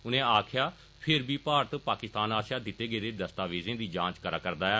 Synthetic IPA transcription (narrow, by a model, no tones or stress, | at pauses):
ʊnẽːaːkʰjaː | pʰɪɾbiːpaːɾt̪paːkɪst̪aːnaːsjaːd̪ɪt̪ːeːɡeːd̪eːd̪əst̪aːʋeːzẽːd̪iːd͡ʒãːt͡ʃkəɾaːkəɾd̪aːɛː